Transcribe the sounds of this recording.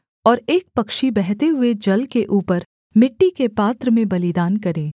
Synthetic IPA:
ɔːɾeːk̚pɐkʃibɛɦt̪eɦʊed͡ʒɐlkeʔuːpəɾ | mɪʈːikepaːt̪ɾəmẽbɐlɪd̪aːnkɐɾẽː

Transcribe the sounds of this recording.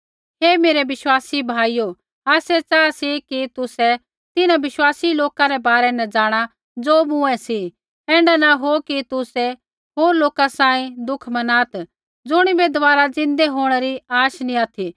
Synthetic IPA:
heːmeːɾɛʋɪswaːsibʱaːijo | aːsɛt͡saːsikit̪ʊsɛ | t̪ɪnãbɪʃwaːsiloːkaɾɛbaːɾɛnɛ̃d͡zaːɽ̃a | d͡zoːmʊ̃ɛ̃si | ɛ̃ːɳɖanaɦokit̪ʊsɛ | ɦoːɾloːkasãːĩd̪ʊkʰmɐnaːt̪ | d͡zʊɽ̃ibɛd̪ɐʋaːɾad͡zɪ̃nd̪eɦoːɽ̃ɛɾiaːʃnĩat̪ʰi

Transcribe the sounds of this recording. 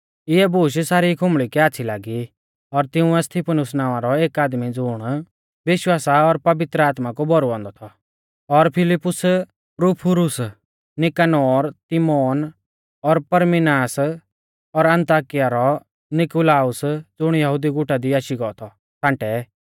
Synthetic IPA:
ɪɛbuːʃsaːɾikʰʊmɭikɛaːt͡ʃʰilaːɡi | ɔɾt̪ɪʊ̃ɛst̪ʰipʰənʊsnaːʋãɾɔeːkaːd̪mid͡zʊɽ̃ | ʋɪʃwaːsaɔɾpɐʋɪt̪ɾəaːt̪makobʱɔɾuɔ̃ːnd̪ɔt̪ʰɔ | ɔɾpʰɪlɪpːʊs | pɾuːpʰʊɾʊs | nɪkanɔːɾt̪imɔːn | ɔɾpɐɾmɪnaːs | ɔɾɐ̃nt̪aːkɪjaɾɔ | nɪkulaːʊsd͡zʊɽ̃jɐɦʊd̪iɡʊʈad̪iaːʃiɡɔːt̪ʰɔ | tʰãːɳʈɛ

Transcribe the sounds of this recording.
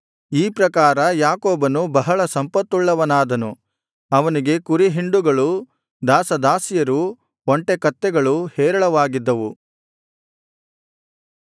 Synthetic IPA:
iːpɾɐkaːɾɐjaːkoːbɐnubɐɦɐɭɐsɐmpɐt̪ːuɭːɐʋɐnaːd̪ɐnu | ɐʋɐniɡe̞kuɾiɦiɳɖuɡɐɭu | d̪aːsɐd̪aːsijɐɾu | oɳʈekɐt̪ːɛɡɐɭuhɛːɾɐɭɐʋaːɡid̪ːɐʋu

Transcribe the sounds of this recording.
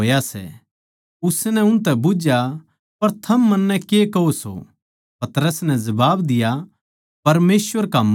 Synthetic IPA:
oːjasɛ̰ | ʊsnɛʊ̃ñt̪ɛbʊd͡ʒja | pɐɾt̪ʰɐmːɐnːɛkekɐɦoso̰ | pɐt̪ɾəsnɛ̃zɐbaːbd̪ɪja | pɐɾmeːsʋəɾkam

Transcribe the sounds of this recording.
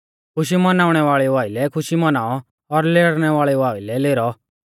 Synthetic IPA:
kʰʊʃ̬imɐnaːʊɽ̃ɛʋaːɭɛʋaːilɛkʰʊʃimɐnaːɔ | ɔɾleːɽɽ̃ɛʋaːɭɛʋaːilɛleːɾɔ

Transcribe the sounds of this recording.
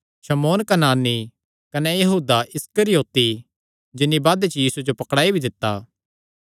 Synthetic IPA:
ʃɐmoːnkɐnaːnːi | kɐnɛjɐɦuːd̪aʔɪskəɾɪjoːt̪i | d͡ʒɪnːibaːd̪et͡ʃɐjiːsud͡ʒopɐkɽaːibʱid̪ɪt̪ːa̰

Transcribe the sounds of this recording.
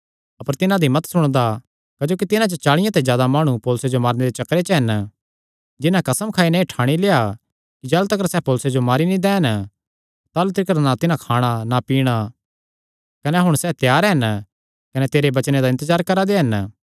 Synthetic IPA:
ɐpəɾt̪ɪnãd̪imɐt̪sʊɽ̃d̪a | kɐd͡ʒoːkit̪ɪnãt͡ʃət͡ʃaːɭɪjãt̪ezjaːd̪amaːɽ̃upoːlʊsed͡ʒomaːɾned̪et͡ʃɐkɾet͡ʃɦɐn | d͡ʒɪnãkɐsəmkʰaːinɛeʈʰaːɽ̃ileːa | kid͡ʒɛːlt̪ɐk̬əɾsɛːpoːlʊsed͡ʒomaːɾinĩd̪ɛːɦən | t̪aːlut̪ɾɪkəɾnat̪ɪnãkʰaːɽ̃anapiːɽ̃a | kɐneɦʊɽ̃sɛːt̪jaːɾɦɐn | kɐnɛt̪eːɾebɐt͡ʃned̪aɪ̃nt̪əzaːɾkɐɾad̪eɦɐn

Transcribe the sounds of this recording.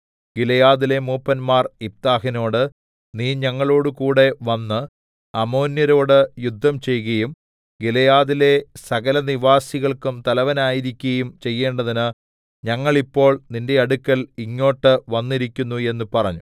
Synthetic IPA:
ɡilɐjaːðile̞muːpːɐnmaːrip̚t̪aːɦino̞ːɽɨ | niːɲɐŋːɐɭo̞ːɽukuːɽe̞ʋɐnːɨ | ɐmo̞ːnjɐɾo̞ːɽɨjud̪ʱːɐmt͡ɕe̞jɣɐjum | ɡilɐjaːðile̞sɐɣɐlɐniʋaːsiɣɐɭkumt̪ɐlɐʋɐnaːjiɾikʲːuɣɐjumt͡ɕe̞jːe̞ːɳɖɐðinɨ | ɲɐŋːɐɭipːo̞ːɭninde̞ɐɽukːɐliŋːo̞ːʈːɨʋɐnːiɾikʲːunːue̞nːupɐrɐɲːu

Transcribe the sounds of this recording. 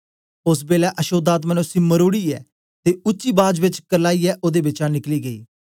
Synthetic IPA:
ʊsbeːlɛːʔəʃoːd̪aːt̪mənʊsiːməɾoːɽiːɛ̰ː | t̪eːʊt͡ʃːiːbaːd͡ʒbɪt͡ʃkəɾlaːiːɛːʔoːd̪eːbɪt͡ʃãːnɪkliːɡəḭː

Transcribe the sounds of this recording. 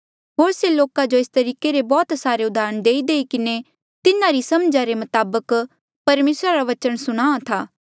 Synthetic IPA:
ɦoːɾseloːkad͡ʒoɪst̪ɐɾiːkeɾebɔːt̪saːɾeʊd̪ʱaːɾəɳd̪eːid̪eːikɪne | t̪ɪnãɾisɐmd͡ʒaɾemɐt̪aːbək | pɐɾmeːsɾaɾaʋɐt͡ʃəɽ̃sʊɽ̃aːat̪ʰaː

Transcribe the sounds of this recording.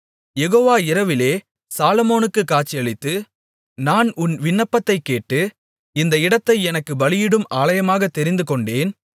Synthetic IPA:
jɛɣoːʋaːɪɾɐʋɪleː | saːlɐmoːnɯkːɯkːaːt͡ʃːɪjɐɭɪt̪ːɯ | naːnʊnʋɪnːɐpːɐt̪ːɐɪkːeːʈːɯ | ɪnd̪ɐɪɽɐt̪ːɐɪɛnɐkːɯbɐɭɪjɪɽɯmaːlɐjɐmaːɣɐt̪ːɛɾɪnd̪ɯkɔɳɖeːn

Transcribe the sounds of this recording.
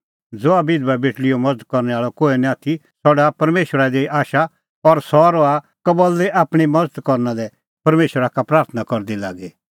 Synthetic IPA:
d͡zoabɪd̪babɪʈʰlɪjomɐd͡zəd̪̚kɔɾnɛaːɭɔkoːenĩaːt̪ʰisɔɖapɐɾmeːʃəɾad̪eʔaːʃa | ɔɾsɔɾɔa | kɐbɔld̪ɛʔaːpɽ̃imɐd͡zəd̪kɔɾnalɛ | pɐɾmeːʃəɾakapɾaːɾt̪ʰənakɔɾd̪ila̰ːɡe

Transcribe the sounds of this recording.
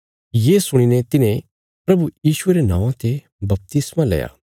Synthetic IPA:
jeːsʊɽ̃inet̪ɪnẽ | pɾɐbujiːʃʊeɾenã̰ːʋãt̪e | bɐp̚t̪ɪsmãlɛ̰ːja̰ː

